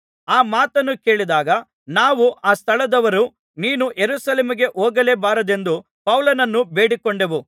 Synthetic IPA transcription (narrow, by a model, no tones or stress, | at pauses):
aːmaːt̪ɐnːuke̞ːɭid̪aːɡɐ | naːʋuʔaːst̪ʰɐɭɐd̪ɐʋɐɾu | niːnuʔeɾuːsɐleːmiɡe̞ʔoːɡɐleːbaːɾɐd̪e̞nd̪u | pɐwlɐnɐnːube̞ːɽikoɳɖeʋu